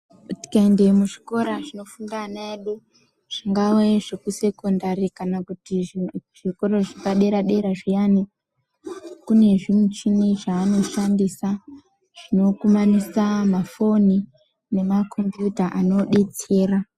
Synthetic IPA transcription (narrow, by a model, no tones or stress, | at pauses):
kuti̥kaende̞muʐiko̞ɾaʐino̞fundanaeɗu | ʐ̥iŋɡaweʐ̥ekuse̞kondarikanakutiʐiko̞ɾo̞ʐakaɗe̞ɾaɗe̞ɾaʐijani | kune̞ʐimwut͡ʃiniʐaːno̞ʃandisa | ʐ̥ino̞kumanisamafo̞ni | ne̞makʰo̞mbjutaʔano̞ɗe̞t͡se̞ːra